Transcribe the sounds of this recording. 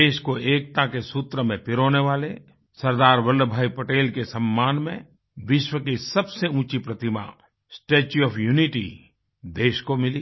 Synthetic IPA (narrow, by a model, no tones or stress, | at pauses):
eːʃkoeːk̚t̪akesuːt̪ɾəmẽpɪɾoːneʋaːle | sɐɾd̪aːɾʋəlɖbʱaːipəʈeːlkesəmːaːnmḛ̃ | ʋɪʃwəkisəbseũːt͡ʃipɾət̪ɪma̰ | sʈeːt͡ʃuɔːpʰjuːniʈḭ | d̪eːʃkomɪliː